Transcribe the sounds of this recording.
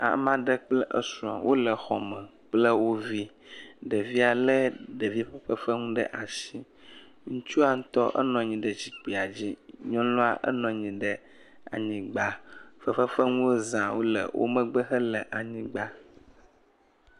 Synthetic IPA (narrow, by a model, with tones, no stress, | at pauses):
a̰˨mã˦ɖə˦k͡plɛ˦ʔə̰˦sũ˨a̰˨wʔo˦lə˨xɔ̰˨mɛ̃˨ | k͡plə˦wo˦vi˦ | ɖə˨vi˦a˨lə˦ɖə˨vi˦ɸə˦ɸə˦fə˦ŋũ˦ɖə̰˦ʔa˨ʃi˦ | ŋũ˦t͡ʃu˦a˨ŋ̩˦t̪ɔ˦ʔə̰˦nɔ̃˨ɲĩ˨ɖə˨d͡ʑi˦k͡pi˨a˨d͡ʑi˦ɲɔ̃˦lɔ̃˦a̰˦ʔə̰˦nɔ̃˨ɲĩ˨ɖə˦ | a̰˨ɲĩ˦ɡ͡ba˦fə˦ɸə˦ɸə˦ŋũ˦wo˦zã˨wo˦lə̰˨wʔo̰˦mə̃˦ɡ͡bə˦xə˦lə˨ʔa˨ɲĩ˦ɡ͡ba˦